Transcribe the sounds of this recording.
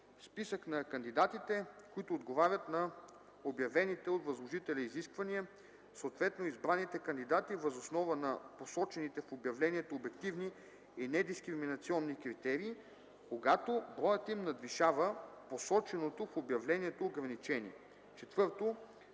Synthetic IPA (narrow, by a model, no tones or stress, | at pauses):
spisəknɐkɐnd̪id̪at̪it̪ɛkoit̪oːd̪ɡovaɾʲət̪nɐ | objɐvɛnit̪ɛot̪vɐzlˠoʒit̪ɛlʲɛiziskvɐniə | soːt̪vɛt̪noizbɾanːit̪ɛkɐnd̪id̪at̪ivɐzosnɔvənɐposɔt͡ʃɛnit̪ɛfobjɐvlɛniɛt̪oːbɛkt̪ivni | inɛd̪iskɾiminɐt̪siɔnːikɾit̪ɛɾiː | koɡat̪obɾɔjət̪imnɐd̪viʃavəposɔt͡ʃɛnot̪ofobjɐvlɛniɛt̪oːɡɾɐnit͡ʃɛnḭ | t͡ʃɛt̪vɤɾt̪o